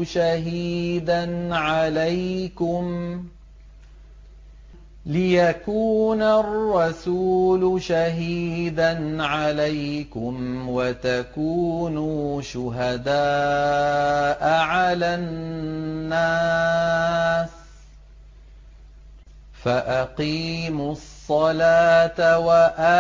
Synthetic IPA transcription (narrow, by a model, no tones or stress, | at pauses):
ʃaɦiːd̪anʕalajkʊm | lɪjakuːnarˤːɑsuːlʊʃaɦiːd̪anʕalajkʊmwat̪akuːnuːʃʊɦad̪aː | ʔʕalanː | a | s | faʔaqiːmʊsˤːɑlaːt̪awaʔa